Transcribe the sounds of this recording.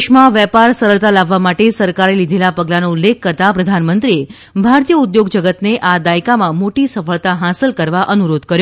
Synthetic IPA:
ʃmãʋjɛpaɾsəɾəɭt̪alaʋːamaʈesəɾkaɾelid̪ʱelapəɡlanoulːekʰːəɾt̪apɾəd̪ʱanmənt̪ɾie | bʱaɾt̪ijəud̪joɡd͡ʒəɡət̪neʔad̪ajkamãmoʈisəfəɭt̪aɦasəlkəɾʋaʔənuɾod̪ʱkəɾjo

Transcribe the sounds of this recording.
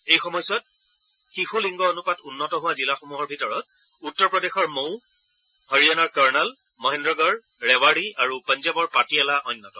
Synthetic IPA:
ejxɔmɔjsɔt̚ | xixuliŋɡɔonupatunːɔtɔɦʊwazilaxomuɦɔɹbʱitɔɹɔt̚ | utːɔɹpɹɔdexɔɹmow | hɔɹianaɹkaɹnal | mɔɦɛ̃ndɹɔɡɔɹ | ɹɛwaɹiaɹupɔnzabɔɹpatiɛlaʔɔjnːɔtɔ

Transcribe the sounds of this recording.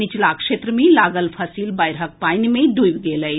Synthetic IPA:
ɪt͡ʃlaːkʃeːt̪ɾəmẽlaːɡəlpʰəsiːlbaɪɾɦək̚paːɪnmẽɖujʋɡeːləi

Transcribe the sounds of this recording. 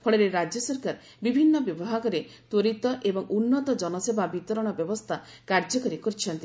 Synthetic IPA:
pʰɔɭeɾeɾad͡ʒjɔsɔɾkaɾ | bibʱinːɔbjɔbɔɦakɔɾet̪oɾit̪ɔʔebɔŋʔunːɔt̪ɔd͡ʒɔnɔsebʱabit̪ɔɾɔɽ̃ɔbjɔbɔst̪ʰa | kaɾd͡ʒɔkɔɾikɔɾt͡ʃʰɔnt̪i

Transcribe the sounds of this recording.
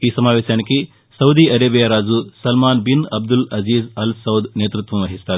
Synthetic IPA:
iːsɐmaːʋeːʃjaːniki | sɐwd̪iɐɾeːbijaɾaːd͡ʒusɐlmaːnbinɐb̚d̪ulɐziːzɐlsɐwd̪ʱneːt̪ɾut̪ʋɐmʋɐɦist̪aːɾ

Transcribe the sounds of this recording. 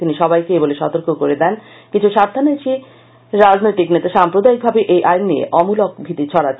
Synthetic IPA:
t̪iniʃɔbajkeeboleʃɔt̪oɾkokoɾed̪ɛn | kit͡ɕʰuʃaɾd̪ʰʱanojt͡ɕʰi | ɾad͡ʑnojt̪iknet̪aʃampɾod̪aik̚bʱabeʔejʔajnːiḛʔɔmulok̚bʱit̪it͡ɕʰɔɽa

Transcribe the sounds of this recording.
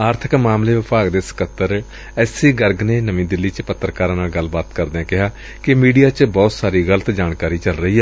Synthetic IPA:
aːɾt̪ʰəkmaːmleːʋɪpaːɡd̪eːsə̥kət̪ːəɾ | ɛːsiːɡəɾɡneːnəmĩːd̪ɪlːiːt͡ʃpət̪ːɾəkaːɾãːnaːlɡəlːbaːt̪kəɾd̪eːãːkɪɦaː | kɪmiːɖijaːt͡ʃbɔːt̪saːɾiːɡələt̪d͡ʒaːɳkaːɾiːt͡ʃəlɾəɦiːɦɛː

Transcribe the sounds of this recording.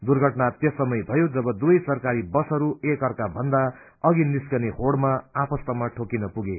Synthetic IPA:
d̪urɡʱʌʈnat̪jʌsʌmʌjbʱʌjod͡zʌbʌd̪uʌjsʌrkaɾibʌsʌɾuekɦʌrkabʱʌnd̪a | ʌɡiniskʌnehoɽmaapʌst̪ʌmaʈʰokinʌpuɡe

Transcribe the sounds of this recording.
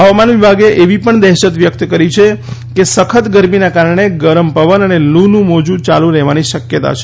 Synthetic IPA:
ɦəʋamanʋibʱaɡeʔeʋipəɳd̪ɛɦʃət̪ʋjək̚t̪kəɾit͡ʃʰekesəkʰət̪ɡəɾminakaɾəɳ̃eɡəɾəmpəʋənənelunũmod͡ʒũt͡ʃalũɾɛɦʋaniʃəkjət̪a̰t͡ʃʰe

